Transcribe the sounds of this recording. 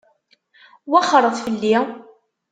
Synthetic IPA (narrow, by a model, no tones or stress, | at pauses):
wæχɾˤəðˤfəlːi